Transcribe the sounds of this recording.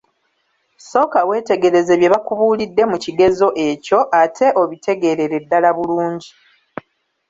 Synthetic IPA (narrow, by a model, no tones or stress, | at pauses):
so̞ːkawe̞ːte̞ɡe̞ɾe̞ze̞βje̞βakuβuːlidːe̞muciɡe̞zo̞ʔe̞co̞ʔatʰe̞ʔoβitʰe̞ɡe̞ɾe̞ɾe̞dːalaβuluːɲɟi